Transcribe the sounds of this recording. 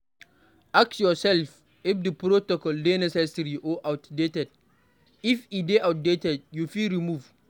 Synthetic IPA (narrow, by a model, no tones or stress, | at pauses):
ʔak̚sjɔsɛlf | ɪfdəpɾotɔkɔldenɛsɛsɾiʔɔʔawtdetɛd̚ | ifideʔawt̚detɛd̚jufilɾimuv